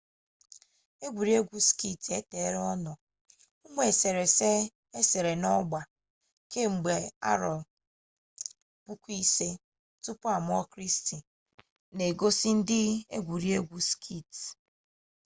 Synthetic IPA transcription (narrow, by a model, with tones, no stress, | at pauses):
e˦ɡʷu˨ɾi˨˦e˦ɡʷu˦ski˦˨te˦te˨˦ɾɔ˦nɔ˨ | u˦ŋʷe˨se˨ɾe˨se˦ | e˦se˨ɾe˨nɔ˦ɡ͡ba˨ | ke˦ŋ͡m̩˨ɡ͡be˨a̰˦ɾɔ˨ | pu˦kʷu˦i˦se˦ | tʊ˦pʊ˦a˨m˦ɔ˦kɾi˦sti˨ | ne˨ɡo˦si˦n̩˦dɪ˦ḛ˦ɡʷu˨ɾi˦e˦ɡʷu˦skʰi˦˨t